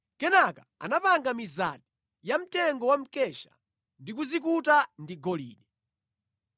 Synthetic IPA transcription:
kɛnakaa̰napaŋɡamizat̚i̥ | jam̩tɛŋɡɔwam̩kɛʃa̰ | ndik̬uzik̬utandiɡɔlḭːɗɛ

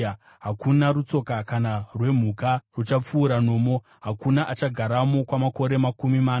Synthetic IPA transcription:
ɦakunaɾut͡so̞kakanarwe̞m̤ukarut͡ʃap͡fuːɾano̞ːmo̞ | ɦakunaʔat͡ʃaɡʱaɾamo̞kwamako̞ɾemakumimaːn

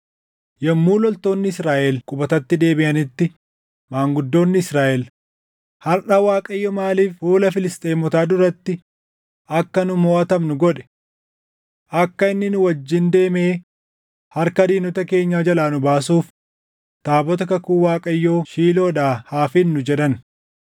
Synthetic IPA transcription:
jɛmːuːlɔlt̪o̞ːnːɪɪsɾaːʔɛlkʼʊbɐt̪ɐt̪ːɪd̪e̞ːbɪʔɐnɪt̪ːɪ | maːŋɡʊd̪ːo̞ːnːɪɪsɾaːʔɛl | hɐɾʔɐwaːkʼɐjːɔːmaːliːfhuːlɐfɪlɪst̪ʼeːmɔt̪aːd̪ʊɾɐt̪ːɪ | ʔɐkːɐnʊmoːʔɐt̪ɐmnʊɡɔᶑɛ̥ | ʔɐkːɐɪnːɪnʊwɐd͡ʒːɪnd̪e̞ːmeː | hɐɾkɐd̪iːnɔt̪ɐke̞ːɲːaːd͡ʒɐlaːnʊbaːsuːf | t̪aːbɔt̪ɐkɐkuːwaːkʼɐjːo̞ːʃiːlo̞ːᶑaːhaːfɪnːʊd͡ʒɛᶑɐn

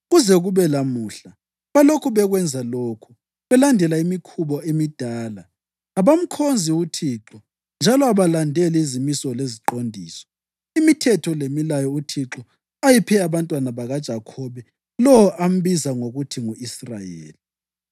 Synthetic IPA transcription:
ɣuzɛɣuβɛlamuːɬa | βalokʰuβɛɣwɛnd͡zʱaloːkʰu̥ | βɛlandʱɛlaimikʰuβɔemid̥ʱaːla | aβam̩kʰond͡zʱiutʰiːǁɔ | nd͡ʒʱalɔaβalandʱɛlɛizimisɔleziǃondʱiːsɔ̥ | imitʰɛtʰɔlemilajɔutʰiǁɔ | ajipʰɛaβantʼwanaβaɣad̥ʒ̥ʱakʰɔβɛ | lɔwɔʔam̩βizaŋoɣutʰiŋuisra̰jḛːli

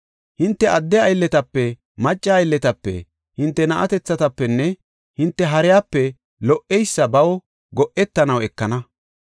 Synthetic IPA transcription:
hɪnt̪ːɛʔɐd̪ːɛɐjlːɛt̪ɐpːɛ | mɐt͡ʃʼːɐːjlːɛt̪ɐpːɛ̰ | hɪnt̪ːɛnɐʔɐt̪ɛt͡sːɐt̪ɐpːɛnːɛ | hɪnt̪ːɛɦɐɾɪjaːpːɛ | lɔʔɛjsːɐbɐw | ɡɔʔɛt̪ːɐnɐwɛkːɐnɐ

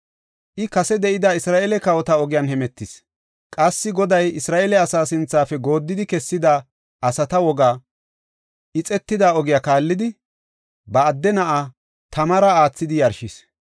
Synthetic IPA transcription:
ʔɪkɐsɛd̪ɛʔɪd̪ɐɪsɾaːʔeːlɛkɐwɔt̪aɔɡɪjanhɛmɛt̪ːɪs | kʼɐsːɪɡɔd̪ɐjɪsɾaːʔeːlɛɐsaːsɪnt͡sːaːfɛɡo̞ːd̪ːɪd̪ɪkɛsːɪd̪a | ʔɐsɐt̪ɐwɔɡaː | ʔɪt͡sʼɛt̪ːɪd̪aɔɡɪjaːkaːlːɪd̪ɪ | bɐːd̪ːɛnɐʔa | t̪ɐmɐɾɐaːt͡sːɪd̪ɪjɐɾʃis

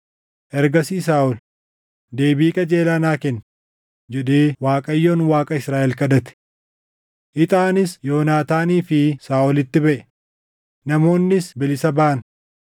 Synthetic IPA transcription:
ʔɛɾɡɐsiːs̬aːʔɔl | d̪e̞ːbiːkʼɐd͡ʒe̞ːlɐnaːkɛn | d͡ʒɛᶑ̪eːwaːkʼɐjːoːnwaːkʼɐɪsɾaːʔɛlkɐd̪ɐt̪ɪ̥ | ʔɪt̪ʼaːnɪsjo̞ːnaːt̪aːniːfɪsaːʔɔlɪt̪ːɪbɐʔɛ̥ | nɐmo̞ːnːɪsbɛlɪsɐbaʔɐn

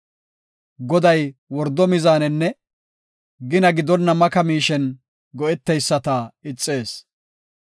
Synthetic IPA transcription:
ɡɔd̪ɐjwɔɾd̪ɔmɪzaːnɛnːɛ | ɡɪnɐɡɪd̪ɔnːɐmɐkɐmiːʃɛn | ɡɔʔɛt̪ːɛjsːɐt̪ɐɪt͡sʼːe̞ːs

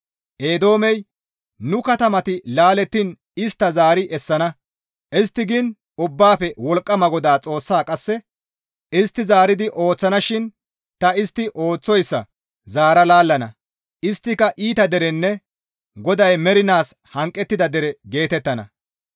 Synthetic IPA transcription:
ʔe̞ːd̪o̞ːmɛj | nʊkɐt̪ɐmɐt̪ɪlaːlɛt̪ːɪn | ɪst̪ːɐzaːɾɪʔɛsːɐnɐ | ʔɪst̪ːɪɡɪn | ʊbːaːpɛwɔlkʼːɐmɐɡɔd̪aːt͡sʼo̞ːsːaːkʼɐsːɛ | ɪst̪ːɪzaːɾɪd̪ɪʔo̞ːt͡sːɐnɐʃɪn | t̪ɐɪst̪ːɪʔo̞ːt͡sːɔjsːɐ | zaːɾɐlaːlːɐnɐ | ʔɪst̪ːɪkɐʔiːt̪ɐd̪ɛɾɛnːɛ | ɡɔd̪ɐjmɛɾɪnaːs | hɐŋkʼːɛt̪ːɪd̪ɐd̪ɛɾɛɡe̞ːt̪ɛt̪ːɐnɐ̰

